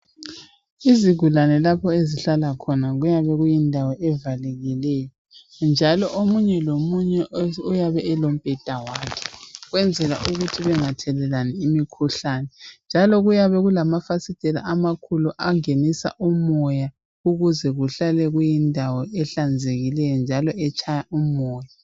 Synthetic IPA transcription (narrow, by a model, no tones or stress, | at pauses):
iziɣʱulanɛlapʰɔeziɬalakʰɔnaɣujaβɛɣujindʱawɔʔɛvalɛɣilɛjɔ | nd͡ʒʱalɔʔomuɲɛlomuɲɛujaβɛɛlom̩pʼɛd̥ʱawakʰɛ̥ɣwɛnd͡zʱɛla̰ʔuɣutʰiβɛŋatʰɛlɛlaniimikʰuɬanɛnd͡ʒʱalɔɣujaβɛɣulamafasitʼɛla̰ʔamakʰuluʔaŋenisa̰ʔumɔja | uɣuzɛɣuɬalɛɣujindʱawɔʔɛɬand͡zʱeɣilɛjɔnd͡ʒʱalɔɛt͡ʃʰʼajaumɔːja